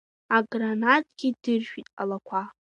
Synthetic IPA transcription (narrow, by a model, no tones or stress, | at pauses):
aɡranatʰʼɡ̥ʲidɨrʒᶣitʼa̰lakʷʰa